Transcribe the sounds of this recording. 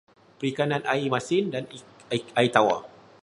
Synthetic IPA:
pəɾikanãnʔaimasɪndanait̪awa̰

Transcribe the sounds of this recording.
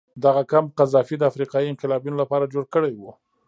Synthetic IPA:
d̪aɣakamqazɑfid̪əafɾiqɑjiɪnqɪlɑbjunolapɑɾad͡ʒoɽkəɽajwu

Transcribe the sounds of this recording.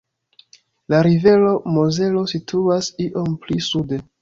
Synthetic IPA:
laɾive̞lo̞moze̞lo̞sitʰuasiʔo̞mplisude̞

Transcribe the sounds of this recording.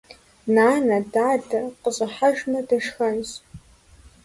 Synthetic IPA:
naːnadadarqʼəzʷʼaħaʒᶣnadaʂxanz

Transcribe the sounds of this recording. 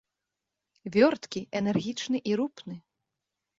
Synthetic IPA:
vʲɔrt̪kʲiɛnɛrɣʲit͡ʂnɨʔiɾupnɨ

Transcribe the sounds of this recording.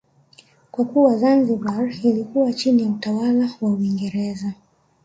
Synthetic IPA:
kwakuwazanzibailikuwat͡ʃinijautawalawauiŋɡɛɾɛza

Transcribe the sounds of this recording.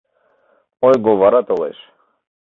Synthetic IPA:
ɔjɡɔvaɾat̪ʼɔlɛ̰ʃ

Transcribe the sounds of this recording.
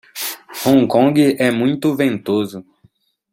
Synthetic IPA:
hõŋkõŋɡɪʔɛmũj̃t̪ʊvẽnt̪ozʊ

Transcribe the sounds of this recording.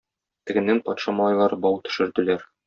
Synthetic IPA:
t̪ɘ̆ɡɘ̆nːɘŋpɒt̪ʃɑmɑlˠɑjlˠɑɾɤbɒwt̪ɵ̆ʃɘ̆ɾd̪ɘ̆læɾ

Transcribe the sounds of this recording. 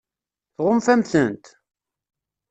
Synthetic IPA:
θʁʊmfæmθənt̪

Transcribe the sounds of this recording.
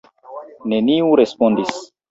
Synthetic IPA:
ne̞niuɾe̞spondis

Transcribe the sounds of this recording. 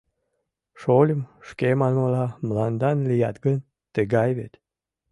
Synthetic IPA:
ʃolʲəmʃkemɑnməlɑmlɑnd̪ɑnlʲijɑt̪ɡən | t̪əɡɑjβet̪

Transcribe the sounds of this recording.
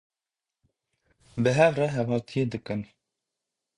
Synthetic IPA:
bɨɦɛvrɛɦɛvhɑːt̪ʰijed̪ɨkɨn

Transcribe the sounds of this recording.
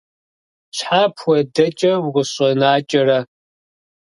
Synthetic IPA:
ɕħaːpʰwɐdɐt͡ʃʼɐwʁʷʊɕʼɐnaːt͡ʃʼɐrɐ

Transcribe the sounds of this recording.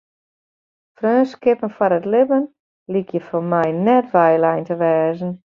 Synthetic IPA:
frøːskɪpənfɔɾətlɪbən | likjəfomɛjnɛtʋɛjlɛjntəʋɛːzən̩

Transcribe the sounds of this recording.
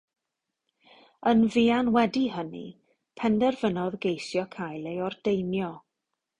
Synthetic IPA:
ənvianwɛdihənḭ | pʰɛndɛrvənɔðɡejsjɔkʰajlˠejɔrd̥ejnjɔ

